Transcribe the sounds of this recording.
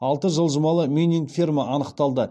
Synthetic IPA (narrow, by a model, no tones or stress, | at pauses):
ɑlˠt̪əʒəlˠʒəmɑlˠəmʲinʲiŋɡfʲirmaʔɑnəqt̪ɑlˠd̪ə